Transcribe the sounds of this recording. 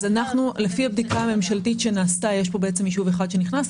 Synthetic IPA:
zanaχnule̞fiab̚d̪ikaame̞mʃaltit̪ʃe̞naːstajeʃpo̞beʔet͡semːiʃuveχad̪ʃe̞niχnas

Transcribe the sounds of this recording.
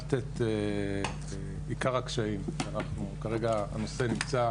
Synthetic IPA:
t̪et̪e | e | ikaʁakʃaimʃeanaχnukaʁe̞ɡaa̰no̞se̞nimt͡sa

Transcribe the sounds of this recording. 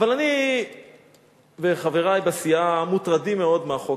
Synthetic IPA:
avalani | veχaveʁajbasiamut̪ʁadimeo̞d̪meaχo

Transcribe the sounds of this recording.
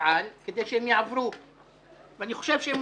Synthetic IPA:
ʕanked̪ejʃehemjaʕavɾu | veaniχoʃevʃeem

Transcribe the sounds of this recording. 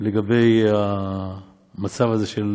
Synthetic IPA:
leɡabe̞jha | mat͡savaze̞ʃel

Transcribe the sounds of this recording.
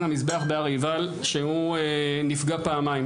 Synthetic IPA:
namisbeaχbeaʁival | ʃeuenifɡapaːmajm

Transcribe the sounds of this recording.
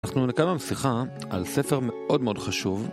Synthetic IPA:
naχnunekamamsiχa | a̰lsefeʁme̞ʔo̞dme̞odχaʃuv

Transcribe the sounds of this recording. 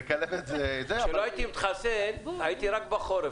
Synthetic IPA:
kalevetzezeʃeloait̪imit̪χasenajit̪iɾak̚baχoɾe

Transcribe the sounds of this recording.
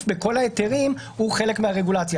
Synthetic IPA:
beko̞laet̪eʁim | huχe̞le̞kmeɦaʁe̞ɡulat͡sja

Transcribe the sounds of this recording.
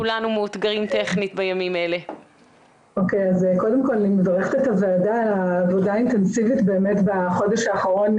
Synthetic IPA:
kulanumeut̪ɡaʁimt̪eχnit̪̚bajamimaele | o̞kejazko̞de̞mko̞lːimvaʁeχtetaveːdaalaːvo̞daintensivitbe̞ːme̞tbaχo̞deʃhaːχaʁo̞n

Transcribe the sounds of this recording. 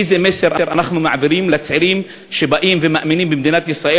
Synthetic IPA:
jzemeseɾaɾanaχnumaʕaviɾimlet͡sʕiɾim | ʃebaʔimvemaʔminimbemd̪inat̪jisʁaʔe

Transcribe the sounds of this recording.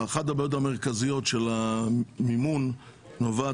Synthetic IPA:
χat̬abajot̬ameʁ̞kazijo̞tʃelamimunː | ova

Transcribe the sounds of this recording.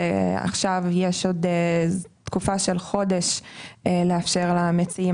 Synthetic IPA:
a̰χʃavjeʃod | t̪kufaʃelχo̞deʃ | leafʃe̞ʁlamet͡si

